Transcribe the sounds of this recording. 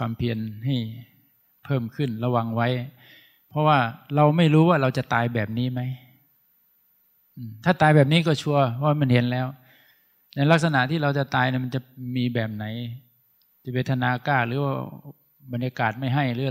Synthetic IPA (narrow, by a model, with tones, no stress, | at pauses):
kʰwaː˧mpʰi˧ənɦa˥˩j | pʰɤː˥˩mkʰɯ˥˩nla˧wa˧ŋwa˦˥j | pʰɔ˦˥waː˥˩ɾa˧wma˥˩jɾuː˦˥waː˥˩ɾa˧wt͡ɕa˨˩t̪aː˧jbɛː˨˩p̚niː˦˥ma˦˥j | ʔɯː˧˩mt̪ʰaː˥˩t̪aː˧jbɛː˨˩p̚niː˦˥kɔː˥˩t͡ɕʰu˥˩ɐpʰɔ˦˥waː˥˩ma˧˥˩nɦe˨˦nlɛː˦˥w | na˧la˦˥k̚sa˧na˨˩ʔt̪ʰiː˥˩ɾa˧wt͡ɕa˨˩t̪aː˧jna˧˩ma˧nt͡ɕa˨˩miː˧bɛː˨˩p̚na˩˦j | t͡ɕa˨˩pe˧nt̪ʰa˧naː˧kaː˥˩lɯː˨˩˦waː˥˩ | ba˧njaː˧kaː˨˩t̪̚ma˥˩jɦa˥˩jɯː˦˥